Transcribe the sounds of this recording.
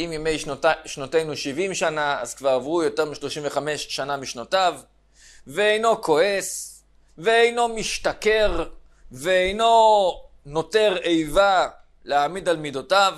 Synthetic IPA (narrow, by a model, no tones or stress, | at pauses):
imjeme̞jʃnote̞jnuʃivimʃanaa̰z̥kvaʁavʁujo̞te̞ʁmiʃlo̞ʃimveχame̞ʃːanamiʃnotav | veejno̞kʰo̞e̞s | veejno̞miʃtake̞ʁ | veejno̞ | no̞te̞ʁejva | leamidalmidotav